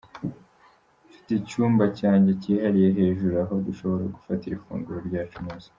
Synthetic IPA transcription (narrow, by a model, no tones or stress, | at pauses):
fi̥ticuːmbacaːɲɟe̞ciːhaɾije̞ɦe̞ːʒuɾuaɦo̞duʃo̞βo̞ɾa̰ɡufatiɾifṵːŋɡuɾoɾɟaːt͡ʃumuːz̥i̥